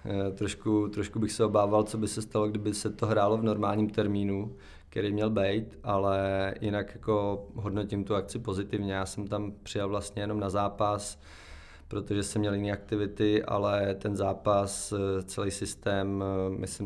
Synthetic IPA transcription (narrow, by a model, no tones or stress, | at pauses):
t̪ɾoʃkut̪ɾoʃkubɪxsɛo̞baːvalt͡so̞bɪsɛst̪alo̞ɡdɪbɪsɛt̪oɦɾaːlo̞vno̞ɾmaːlɲimt̪ɛɾmiːnu | kkɛɾijmɲɛlbɛjt̪ʔalɛjɪnakjako̞ɦo̞dno̞cɪmt̪uak̚t͡sɪpo̞zɪt̪ɪvɲɛjaːsɛmt̪ampr̝̥ɪjalvlast̪ɲɛjɛno̞mnazaːpas | pɾo̞t̪oʒɛsɛmːɲɛljɪniːak̚t̪ɪvɪt̪ɪʔa̰lɛt̪ɛnzaːpast͡sɛlijsɪst̪ɛːmmɪ̰sɪ